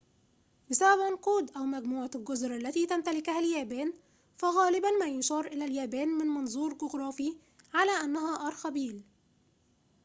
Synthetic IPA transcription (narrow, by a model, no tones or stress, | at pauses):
bɪsabæbmɑnquːd̪ʔæwmæɡmuːʕalɡʊzɾʔalːæt̪iːt̪amt̪alɪkhæljæːbæːn | fæɣæːlɪbanmæːjʊʃɑːɾˤʔɪlæːljæːbæːnmɪnmɑnzˤuːɾɡʊɡɾˤɑːfi | ʕalæːʔanːæhæːʔɑːɾˤxæbiːl